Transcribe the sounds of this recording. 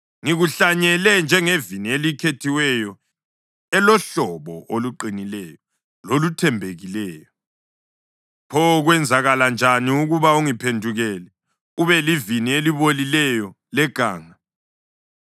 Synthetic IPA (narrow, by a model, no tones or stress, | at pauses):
ŋiɣuɬaɲɛlɛnd͡ʒʱɛŋevinielikʰetʰiwɛjɔ | ɛlɔɬɔβɔʔoluǃinilɛjɔ | lolutʰɛmbʱeɣilɛːjɔ | pʰɔɣwɛnd͡zʱaɣaland͡ʒʱaniuɣuβauŋipʰendʱuɣɛlɛ | uβɛlivinieliβolilɛjɔ | lɛɡ̥ʱa̰ːŋa